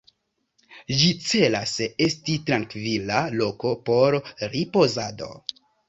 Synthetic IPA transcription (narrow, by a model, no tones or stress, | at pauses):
d͡ʒit͡se̞lasestitɾaŋkvilalo̞ko̞po̞ɾɾipo̞zado̞̰